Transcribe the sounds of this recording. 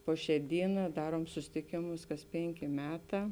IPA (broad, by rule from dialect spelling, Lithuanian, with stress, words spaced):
ˈpoː ˌʃʲɛː ˈdʲiːˌnɑː ˈdɑːruɔm sʊˈsʲɪtʲɪkʲeːmʊs kɐs ˈpʲeːŋʲˌkʲeː ˈmʲæːˌtɑː